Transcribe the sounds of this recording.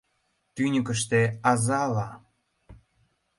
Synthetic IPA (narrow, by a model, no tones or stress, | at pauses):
t̪ynʲəkə̆ʃ̬t̪eɑzɑlɑ